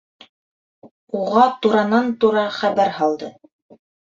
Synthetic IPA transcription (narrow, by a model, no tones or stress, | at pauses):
uʁɑt̪uɾɑnɑnt̪uɾɑχæβæɾhɑlˠd̪ɤ